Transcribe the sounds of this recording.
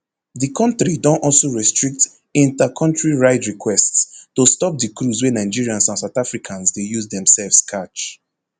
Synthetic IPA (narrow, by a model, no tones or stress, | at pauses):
dikʰɔ̃ntɹidɔ̃ntɔlsoɹɛstɹik̚t | ĩntakʰɔ̃ntɹiɹaɪtɹikʰwɛststostɔp̚dikɹuzwɛnaɪd͡ʒiɹiãnsãnsaʊtafɹikʰãnsdejuzdɛ̃msɛlvskʰat͡ʃ